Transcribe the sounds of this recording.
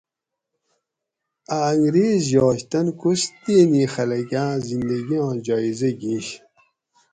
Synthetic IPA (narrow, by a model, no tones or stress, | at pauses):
aːŋɡɾeːzjɔːɕt̪ɐnkust̪eːnixɐlɐɡãːzind̪ɐɡijõːd͡ʑɔːizɐɡĩːɕ